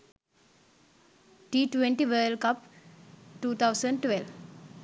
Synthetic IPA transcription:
ʈiːʈʋẽɳʈiʋəːlkap | ʈuːt̪ʰaʊsə̃ɳɖʈʋel

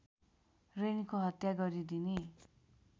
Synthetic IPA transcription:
renikoɦʌt̪jaɡʌɾid̪ine

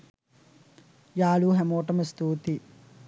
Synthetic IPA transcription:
jaːluːɦɛmoːʈɐmɐst̪uːt̪i

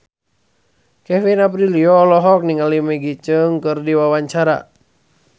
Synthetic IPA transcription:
kɛfinap̬ɾiliɔlɔɦɔk̚niŋalimɛɡit͡ʃəŋkɨrdiwawaɲt͡ʃaɾa̰

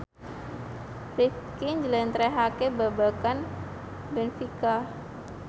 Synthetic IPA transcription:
lif | kiɲd͡ʒlɛnt̪ɾɛɦakebabakan | bɛnfika

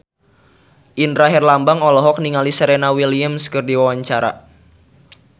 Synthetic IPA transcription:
ʔindɾaɦɛrlambaŋɔlɔɦɔk̚niŋalisəɾenawiliəmskɨrdiwawaɲt͡ʃaɾa̰

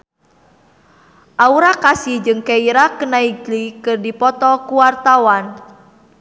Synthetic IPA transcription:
ʔauɾakasihd͡ʒɨŋkeiɾakənaiɡlikɨrdipɔt̪ɔkuwart̪awan

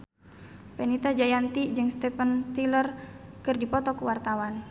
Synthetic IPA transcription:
pɛnit̪ad͡ʒajant̪id͡ʒɨŋst̪ɛpənt̪ilərkɨrdipɔt̪ɔkuwart̪awan

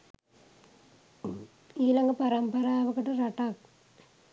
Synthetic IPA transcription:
iːlɐŋɡɐpɐɾɐmpɐɾaːʋɐkːɐʈːɐrɐʈːaːk

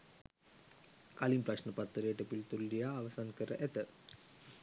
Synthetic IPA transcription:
kɐlimpɾɐʂnɐpɐt̪ːɐɾeːʈːɐpːilt̪ulɖijaːʋɐsaːnkɐɾɐʔet̪ɐ

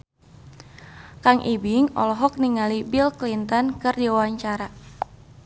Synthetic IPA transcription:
kaŋʔibiŋɔ̰lɔɦɔk̚niŋalibilklint̪ɔnkɨrdiawaɲt͡ʃaɾa

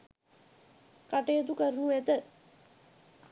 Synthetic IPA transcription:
kaʈəjət̪ukəɾnuæt̪ə

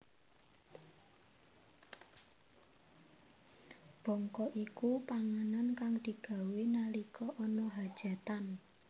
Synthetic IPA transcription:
b̥ɔ̤ŋkɔʔikupaŋanankaŋd̪̥i̤ɡ̥a̤wenalikɔʔɔnɔɦad̥ʒ̥a̤t̪an

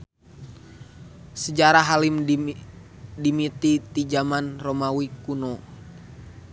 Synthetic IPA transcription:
səd͡ʒaɾaɦalim | dimit̪it̪id͡ʒamanromawikuno

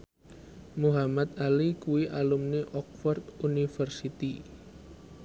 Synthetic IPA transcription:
muɦamat̪̚alikuwiʔalumneʔɔk̚fɔrt̪unifərsit̪i

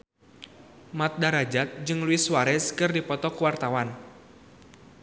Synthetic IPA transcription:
mat̪̚daɾad͡ʒat̪̚d͡ʒɨŋluɪswaɾɛskɨrdipɔt̪ɔkuwart̪awan

